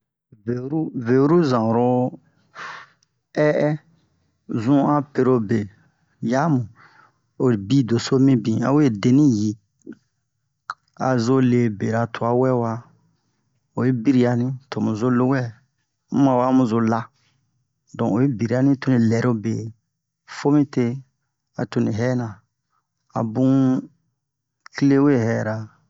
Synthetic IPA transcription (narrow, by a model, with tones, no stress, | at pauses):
ve˨˦ɾu˦ve˨u˦ɾu˦zã˨ɾo˧ | ɛ˦ʔɛ˦ | zũ˦a˦pe˧ɾo˧be˨ | ja˦mũ˨ | o˨ɾi˨bi˦do˨so˦mĩ˦bĩ˨a̰˦we˦˨de˨nĩ˦ji˨ | a̰˨zo˦le˨be˨ɾa˨tʰo˨a˨˦wɛ˦wa˧ | o˨je˦bi˦ɾi˨˦a˨nĩ˦tʰo˨mũ˨zo˦lo˦wɛ˦ | mu˦mã˨wa˦mũ˨zo˨la˧ | dɔ̃˨o˨je˦bi˨ɾi˨˦a˦nĩ˦to˦nĩ˨lɛ˨ɾo˦be˨ | fo˦mĩ˦te˧ | a̰˨to˧nĩ˨ɦɛː˦nã˨ | a̰˨bũ˦ | kle˦we˦˨hɛː˨ɾa˨